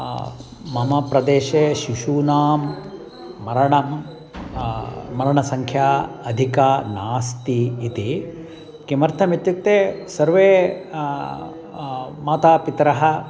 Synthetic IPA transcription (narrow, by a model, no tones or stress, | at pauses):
mɐmɐpɾɐd̪eːʃeːʃiʃuːnaːmː | ɐɾɐɳɐm | ɐɾɐɳɐsɐŋkʰjaːɐd̪ʱikaːnaːst̪iːt̪i | kimɐɾt̪ʰɐmit̪juk̚t̪eːsɐɾʋeː | maːt̪aːpit̪ɾɐɦɐ̆